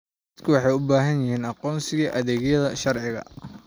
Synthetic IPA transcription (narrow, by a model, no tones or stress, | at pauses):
d̪ɐd̪kʰʊwɑħɑjʊbaːɦɐnjɪhiːnɑqɔːnsɪɣɐʔɐðɛːɣjɐðɐʃɐrʕɪɣɐ̰